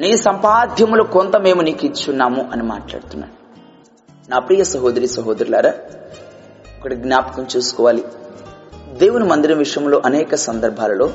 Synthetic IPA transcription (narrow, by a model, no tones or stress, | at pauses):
niːsɐmpaːd̪ʱjɐmulukont̪ɐme̞ːmunikit͡ʃunːaːmuʔɐnima̰ːʈla̰ːɽut̪unːa̰ːɽ | naːpɾiːjɐsɐɦoːd̪ɾiːsɐɦoːd̪ɐɾila̰ːɾɐ | ɐkːɐɽɐɡnjaːpɐ̥kɐmt͡ʃuːsu̥kɔːʋaːli | d̪e̞ːwunumɐnd̪iɾɐmʋiʂɐjɐmlo̞ːʔɐnɛːkɐsɐnd̪ɐɾbʱaːlɐlo̞ː